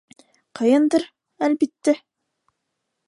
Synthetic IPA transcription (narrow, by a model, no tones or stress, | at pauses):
qʰɤjɤnd̪ɤɾ | ælbit̪ːæ